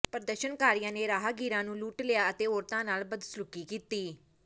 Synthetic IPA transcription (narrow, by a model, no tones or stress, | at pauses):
pəɾəd̪əʃənkaːɾijãːneːɾaːɦaːɡiːɾãːnũːluːʈlɪjaːət̪eːoːɾt̪ãːnaːlbəd̪slʊkiːkiːt̪iː